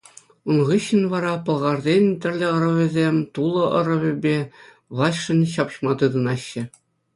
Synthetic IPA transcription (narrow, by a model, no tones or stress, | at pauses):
unʁɯɕːɘ̆nʋɑɾɑpɤ̆lˠʁɑrdʲenʲt̪ʲɘ̆rʲlʲɘ̆ɤ̆ɾɤ̆ʋʲɘ̆zʲemʲt̪ulˠɤ̆ʔɤ̆ɾɤ̆ʋʲɘ̆bʲe | ʋlˠɑɕʂɘ̆nʲɕɑpɕmɑt̪ɯd̪ɤ̆nɑɕːɘ̆